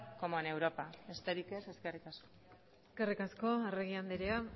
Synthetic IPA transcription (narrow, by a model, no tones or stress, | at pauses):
komone̞wɾo̞paest̪eɾikese̞ske̞rikasko̥ | eske̞rikasko̞areɣ̞iand̪eɾea